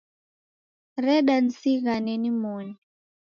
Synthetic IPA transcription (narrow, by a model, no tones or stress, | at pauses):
rɛɗan̩siɣanɛnimɔːni